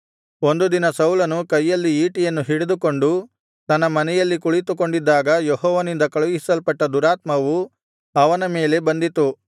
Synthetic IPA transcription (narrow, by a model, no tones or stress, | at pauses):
o̞nd̪ud̪inɐsɐwlɐnukɐjːɐlːiiːʈijɐnːuɦiɽed̪uko̞ɳɖu | t̪ɐnːɐmɐnɛjɐlːikuɭit̪uko̞ɳɖid̪ːaːɡɐjeɦɔːʋɐnind̪ɐkɐɭuɡisɐlpɐʈːɐd̪uɾaːt̪mɐʋu | ɐʋɐnɐme̞ːle̞bɐnd̪it̪u